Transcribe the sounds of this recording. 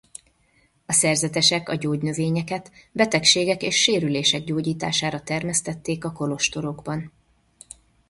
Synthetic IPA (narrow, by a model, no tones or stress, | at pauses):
ɒsɛrzɛt̪ɛʃɛkɒɟoːɟnøveːɲɛkɛt̪bɛt̪ɛkʃeːɡɛkeːʃːeːɾyleːʃɛɡ̚ɟoːɟiːt̪a̰ːʃaːɾɒt̪ɛrmɛst̪ɛt̪ːeːkɒko̞lo̞ʃt̪o̞ɾo̞ɡbɒn